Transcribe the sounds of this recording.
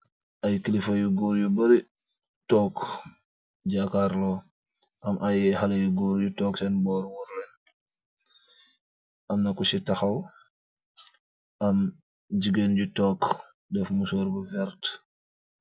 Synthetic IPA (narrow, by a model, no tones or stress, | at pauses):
ʔɐjkilifɐjuɡuːɾjubɐɾi | tɔːk | ɟakaɾlɔ | ʔɐmʔajxalɐjuɡuːɾjutɔːksɛnbɔːɾwuɾlɛn | ʔɐmnɐkusitɐxɐw | ʔɐm | ɟiɡenɟutɔːk | dɛfmusɔːɾbuvɛɾt